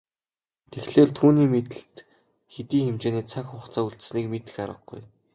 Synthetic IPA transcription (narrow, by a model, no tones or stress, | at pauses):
t̪ʰexɮeːɮt̪ʰuːniːmet̪ɘ̆ɬt̪ | xet̪iːŋxemt͡ɕeːniːt͡sʰakχʊχt͡sʰaːuɮt̪sniːkmet̪ɘ̥̆xaɾə̆ɡ̚ɡṵj